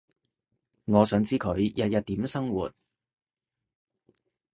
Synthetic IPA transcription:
ŋɔː˨˧sœː˨˥ŋt͡siː˥kʰɵ˨˧ɥjɐ˧t̚jɐ˨t̚t̪iː˨˥msɐ˥ŋwṵː˨t̚

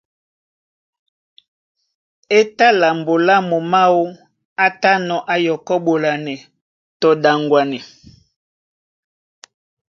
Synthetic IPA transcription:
e˦ta˦la˨mbo˨la˦mo˨ma˦wo˦ | a˦ta˦nɔ˨ʔa˦jɔ˨kɔ˦bo˨la˨nɛ˨ | tɔ˨da˨ŋɡwa˨nɛ˨

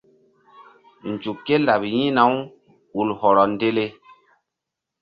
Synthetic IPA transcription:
n˨d͡ʒu˨kːe˦la˨pjĩ˦na˨˦w | u˨lhɔ˨ɾɔ˨n˦de˦le˦

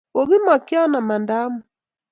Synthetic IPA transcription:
o˨ɣi˦ma˨kja˦na˨ma˨nda˦mɔ˨

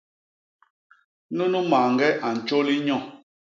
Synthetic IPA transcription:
nu˦nu˦ma˨ŋɡɛ˦ʔa˨n̩˨t͡ʃo˦li˦ɲɔ̃˦˨

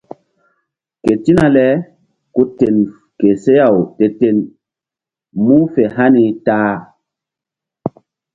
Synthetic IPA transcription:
ke˨ti˦na˨lɛ˦ | ku˦te˨n | ke˨se˦ja˨wte˨te˨n | mu˦fe˨ɦa˦ni˧taː˦

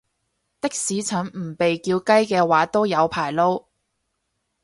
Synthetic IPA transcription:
t̪ɪ˥k̚siː˨˥t͡sʰœː˨˥ŋm̩˨˩pe˨jkiː˧wkɐ˥jkɛː˧waː˨˥t̪o˥wjɐ˨˧wpʰaː˨˩jlo˥w

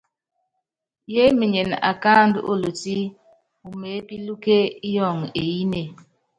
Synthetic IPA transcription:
je˦mi˨ɲe˨na̰˨ka˦˨n˦dʔo̰˦˨lo˨ti˦ | u˨me˨˦pi˦lu˦ke˦i˦jɔ˦˨ŋe˨ji˦ne˨

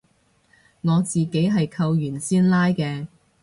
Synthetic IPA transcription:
ŋɔː˨˧t͡siː˨ke˨˥jɦɐ˨jkʰɐ˧wjyː˨˩nsiː˥nlaː˥jkɛː˧

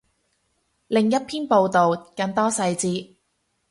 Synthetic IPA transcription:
lɪ˨ŋjɐ˥t̚pʰiː˥npo˧wt̪o˨wkɐ˧nt̪ɔː˥sɐ˧jt͡siː˧

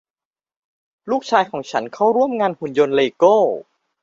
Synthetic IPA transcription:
luː˥˩k̚t͡ɕʰaː˧jkʰɔː˩˦ŋt͡ɕʰa˦˥nkʰa˥˩wɾu˥˩əmŋaː˧nhu˨˩˦njo˧nleː˧kɤː˥˩

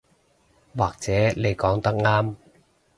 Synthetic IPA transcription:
waː˨˩k̚t͡sɛː˨˥ne˨˧jkɔː˨˥ŋt̪ɐ˥k̚ŋaː˥m

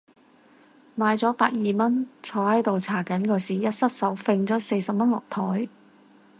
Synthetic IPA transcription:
maː˨˧jt͡sɔː˨˥paː˧k̚jiː˨mɐ˥nt͡sʰɔː˨˥hɐ˨˥jt̪o˨wt͡sʰaː˨˩kɐ˨˥nkɔː˧siː˨jɐ˥t̚sɐ˥t̚sɐ˨˥wfe˧ŋt͡sɔː˨˥se˧jsɐ˨p̚mɐ˥nlɔ˨k̚t̪ʰɔː˨˥j

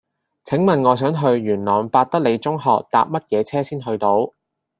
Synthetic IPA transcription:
t͡sʰɪ˨˥ŋmɐ˨nŋɔː˨˧s̬œː˨˥ŋɦɵ˧ɥɥyː˨˩nlɔː˨˩ŋpaː˧t̚t̪ɐ˥k̚le˨˧jt͡sʊ˥ŋɦɔ̰ː˨k̚t̪a̰ː˧p̚mɐ˥t̚jɛː˨˧t͡sʰɛː˥siː˥nɦɵ˧ɥt̪o˧˥w

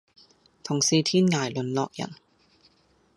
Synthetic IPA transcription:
t̪ʰʊ˨˩ŋsiː˨˧t̪ʰiː˥nŋaː˨˩jlɵ˨˧nlɔː˧k̚jɐ̰˨˩n

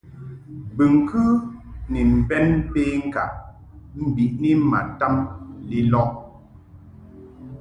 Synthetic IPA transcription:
bɨ˨ŋ˨kɯ˦ni˨m̩˨bɛ˦n˦peː˦ŋ̩˦ka̰˨ʔ | m̩˦bi˨ʔni˦ma˨ta˦mli˦lɔ˦

